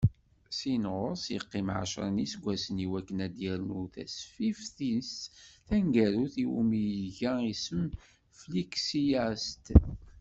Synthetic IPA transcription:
sinʁoɾsjə̰qːimʕa̰ʃɾˤənisɡʷːæsəniwækːənæd̪jæɾnuθæ̰sfifθisθæŋɡæɾuθiwṵmijʝæisəm | fliksijæst̪

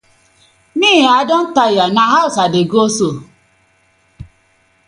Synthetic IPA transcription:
niiadɔn̩tajanaɦaʊsadeɡoso

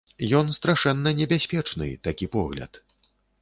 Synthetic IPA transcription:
jɔnst̪ɾaʂɛnːɐnʲɛbʲasʲpʲɛt͡ʂnɨ̰t̪akʲipɔɣlʲɐ̰t̪

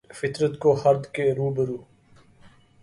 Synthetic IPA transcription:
fɪt̪ɾət̪koːhɐɾd̪keɾuːbəɾuː

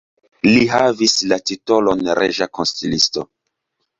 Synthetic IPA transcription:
liɦavislatito̞lonɾʔeʒakonstilisto̰

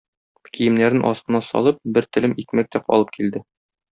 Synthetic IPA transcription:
kijɘ̆mnæɾɘnʔɒsqɤ̆nɑsɒ̰lˠɤp̚bɘɾt̪ɘ̆lɘmikmæk̚t̪æqɒ̰lˠɤp̚kild̪ɘ

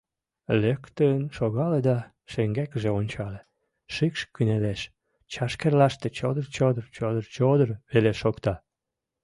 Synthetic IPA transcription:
lekt̪ənʃoɣɑled̪ɑ | ʃeŋɡækəʒeonʲt͡ɕɑle | ʃikʃkyneleʃ | t͡ɕɑʃkerlɑʃt̪et͡ɕod̪ərt͡ɕod̪ərt͡ɕod̪ərt͡ɕod̪ərβeleʃokt̪ɑ

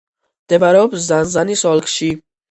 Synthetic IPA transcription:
d̪̥ɛbaɾɛɔbzanzanisɔlkʰʃi

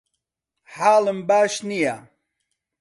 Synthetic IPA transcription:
ħaːlɨmbaːʃnija

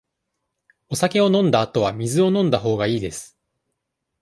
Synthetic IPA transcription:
o̞sake̞o̞nõ̞nd̪aːt̪o̞βamʲizɨo̞nõnd̪aɦo̞ːɡaiːd̪e̞sɨ̥

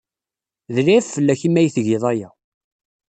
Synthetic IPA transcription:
ðɾiæffəlːæçimːæjθʝɪðˤæjæ

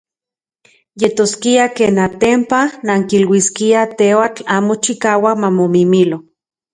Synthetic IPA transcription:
jet̪oskiakeːnat̪empanaŋkilwiskiat̪ewat͡ɬaːmot͡ʃikaːwamamomimilo

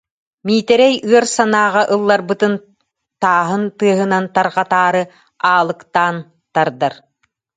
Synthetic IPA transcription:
miːt̪ɛɾɛjɯɐɾsanaːʁaʔɯlˠːaɾbɯt̪ɯn | t̪aːɦɯnt̪ɯɐɦɯnant̪aɾʁat̪aːɾɯ | aːlˠɯkt̪aːn | t̪aɾd̪aɾ

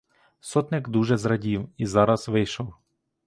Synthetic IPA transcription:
sɔt̪nɪɡd̪uʒɛzɾɐdʲiwizɑɾɐz̥ʋɪjʃɔw

